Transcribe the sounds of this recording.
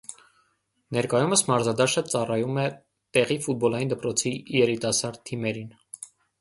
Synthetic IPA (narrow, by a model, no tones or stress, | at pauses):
nɛɾkɑjuməsmɑɾzɑd̪ɑʃət͡sɑrɑjumɛ | t̪ɛʁifut̪̚bɔlɑjind̪əpɾɔt͡sʰijɛɾit̪ɑsɑɾd̪̚t̪ʰimɛɾin